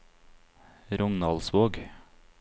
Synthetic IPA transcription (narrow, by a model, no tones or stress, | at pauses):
ɾɔŋnɑlsʋoːɡ